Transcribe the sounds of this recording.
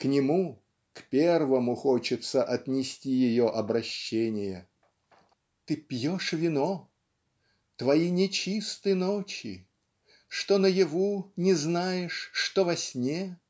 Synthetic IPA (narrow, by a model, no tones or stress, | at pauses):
knʲɪmu | kpʲervəmʊxot͡ɕɪt̪səʔɐt̪nʲɪsʲtʲijɪjoʔɐbɾɐɕːenʲɪjə | t̪ɨpʲjoʂvʲɪno | t̪vɐinʲɪt͡ɕist̪ɨjnot͡ɕɪ̰ | ʂt̪onəjɪvunʲɪznajɪʂːt̪ovɐsʲnʲe